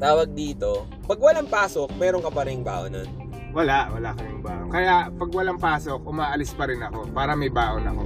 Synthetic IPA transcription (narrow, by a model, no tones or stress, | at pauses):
t̪aːwɐɡ̚d̪iːt̪o̞ | pɐɡwɐlaŋpaːsok̚mɛːɾoŋkɐpɐɾɪŋba̰ːʔonɐ̰n | wɐlaʔwɐlakɐnɪŋbaːʔokɐjaʔpɐɡwɐlaŋpaːsok̚ʔʊmaːʔɐlɪspɐɾɪnɐko̞paːɾɐmɐjbaːʔonɐ̰ko̞